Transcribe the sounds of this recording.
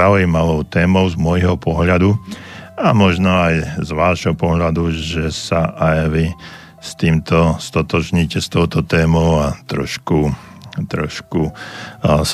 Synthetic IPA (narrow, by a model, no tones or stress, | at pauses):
aujimaʋɔʊt̪ɛːmɔʊzmʊɔjɦɔpɔɦʎad̪u | amɔʒnɔajzʋaːʒɦɔpɔɦʎad̪uʒɛsaʔajʋi | st̪iːmt̪ɔst̪ɔt̪ɔʒɲiːcɛst̪ɔʊt̪ɔt̪ɛːmɔʊat̪ɾɔ̰ʃku | t̪ɾɔʃku